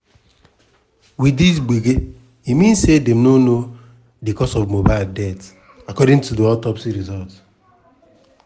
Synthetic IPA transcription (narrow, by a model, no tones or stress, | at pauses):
widis̬ɡ͡biɡe | imĩnsedem̩nono | dikɔsɔvmobaɪldɛt | akɔdɪ̃ŋtudiɔtɔpsiɾizɔlt